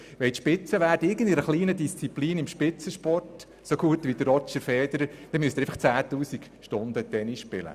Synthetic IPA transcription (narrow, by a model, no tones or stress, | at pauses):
ʋɛt̪ʃpɪt͡səʋæːɾdəɪɡən̩dɪɾəχliːnədist͡sipliːnɪmʃpɪt͡səʃpɔrt | soɡ̥uətʋid̥̪əɾɔt͡ʃəfɛːd̥̪əɾəd̥̪ɛmyəst̪ːeɪfəχt͡sæːtuːsikʃtʊnd̥̪ət̪ɛniʃpɪlə̰